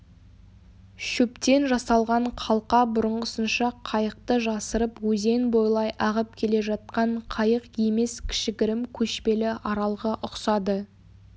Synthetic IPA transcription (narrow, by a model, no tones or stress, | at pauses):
ʃupt̪e̞nʒɑsɑlˠʁɑɴqʰɑlˠqɑbʊɾəɴʁəsənʃɑqʰɑjəq̚t̪əʒɑsəɾəpwɵze̞nbo̞jlˠɑjʔɑʁəp̚kʲʰe̞le̞ʒɑt̪̚qɑɴqʰɑjəqje̞me̞skʲʰɪ̥ʃɪɡʲɪɾɪmkʲʰɵʃpe̞lɪʔɑɾɑlˠʁəʔʊqsɑd̪ə